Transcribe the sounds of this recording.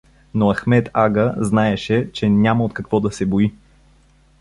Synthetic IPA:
noɐxmɛt̪aɡəznaɛʃɛt͡ʃɛnʲaməot̪kɐkvɔd̪ɐsɛboi

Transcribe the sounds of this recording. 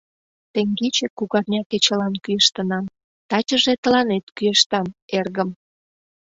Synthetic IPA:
t̪eŋɡet͡ɕekuɣɑrnʲɑket͡ɕəlɑnkyeʃt̪ə̆nɑm | t̪ɑt͡ɕə̆ʒet̪əlɑnet̪kyeʃt̪ɑmerɣəm

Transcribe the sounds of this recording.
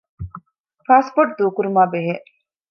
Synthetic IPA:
paːspoːʈ̚d̪uːkuɾumaːbeɦeʔ

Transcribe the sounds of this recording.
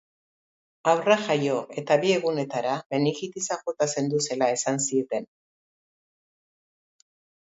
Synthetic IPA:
awraʝajo̞e̞t̪aβie̞ɣune̞t̪aɾaβe̞niɣit̪isaxot̪ase̞nd̪use̞lae̞sansiet̪e̞n

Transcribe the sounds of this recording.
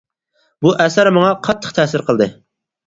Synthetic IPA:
buʔɛsæɾmɑŋɑqʰɑt̪ʰːə̥χt̪ʰɛsɪɾqʰəlˠd̪ɨ

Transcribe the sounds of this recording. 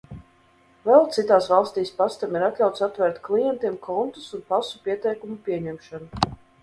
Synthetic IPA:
vɛlˠt̪sit̪aːsvalˠst̪iːspast̪amiɾat̪ʲlʲawt̪sat̪vɛɾt̪klˠijɛnt̪iɛmkʰɔnt̪u̥sunpasupʲiɛt̪ɛjkumupʲiɛɲɛmʃanu

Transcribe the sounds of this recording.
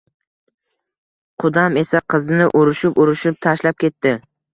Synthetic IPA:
qʰʊd̪ame̞saqʰɨznɪʔʊɾɪʃɪpʊɾɪʃɪp̚t̪ʰaʃlap̚kʲʰe̞t̪ːɪ

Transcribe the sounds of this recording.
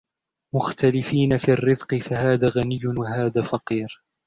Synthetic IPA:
mʊxt̪alɪfiːnafiːrːɪzqɨfahaːðaːɣanɪjːʊwaɦaːðaːfɑqiːɾ

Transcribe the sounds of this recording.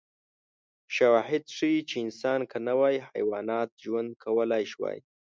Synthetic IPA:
ʃawɑɦɪd̪ʂit͡ʃeɪnsɑnkənawɑjiha̰jwɑnɑt̪̚ʒwand̪̚kʰawəlajʃwɑ̰j

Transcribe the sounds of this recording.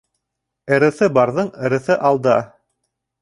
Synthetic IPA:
ɘ̆ɾɘ̆θɘbɑɾðɤɴɘ̆ɾɘ̆θɘʔɑlˠd̪ɑ

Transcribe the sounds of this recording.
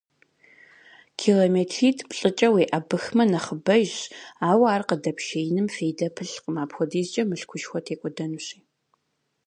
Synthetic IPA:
kʰiːlomeːtʰiːtʰpʼɬʼɨt͡ʃʼɐweːʔɐbɨxmɐnɐχəbɐʒaːwaːrqədɐpʰʃeːjnɨmfeːjdɐpʰɨɬqəmaːpxʷɔdiːzt͡ʃʼɐmɨɬkʷʰʊʃxʷɔtʰeːkʷʼɔdɐnuɕʼiː

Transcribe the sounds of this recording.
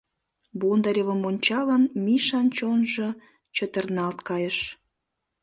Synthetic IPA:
bond̪ɑɾʲəβəmonʲt͡ɕɑlənmiʃɑnt͡ɕonʒə̆ | t͡ɕə̆t̪ə̆rnɑlt̪kɑjəʃ

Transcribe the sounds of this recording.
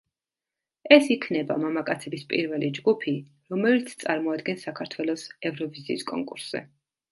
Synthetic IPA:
ɛsikʰnɛba̰mamakʼat̪sʰɛbispʼḭɾvɛlid͡ʒɡupʰi | ɾɔmɛlit̪sʰt̪sʼaɾmɔad̪̚ɡɛnsakʰaɾt̪ʰwɛlˠɔsɛvɾɔviziːskʼɔ̰ŋkʼuɾsz̥ɛ̰

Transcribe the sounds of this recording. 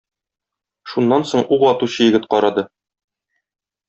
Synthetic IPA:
ʃunːɑnsoɴuʁɒt̪uɕɤjɘ̆ɡɘt̪̚qɒɾɑd̪ɤ

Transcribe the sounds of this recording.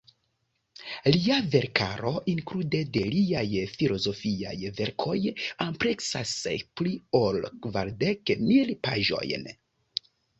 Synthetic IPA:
liave̞ɾka̰ɾo̞ʔiŋkɾude̞de̞liajfilo̞zo̞fia̰jve̞ɾkʰo̞jampɾe̞ksa̰splio̞lkvaɾdekmilpa̰ʒo̞̰jn

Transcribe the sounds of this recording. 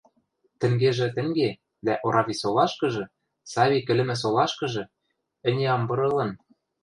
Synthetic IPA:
t̪ɘ̆ŋɡeʒɘ̆t̪ɘ̆ŋɡe | d̪æʔoɾɑβʲisolɑʃkɤ̆ʒɤ̆ | sɑβʲikɘ̆lɘ̆mɘ̆s̬olɑʃkɤ̆ʒɤ̆ | ɘ̆nʲeɑmbɤ̆ɾɤ̆lɤ̆n

